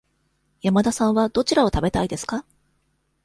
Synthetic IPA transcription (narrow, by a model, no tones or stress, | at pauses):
jamad̪asãɰ̃βad̪̥o̞t͡ɕiɾao̞t̪abe̞t̪aid̪e̞sɨ̥ka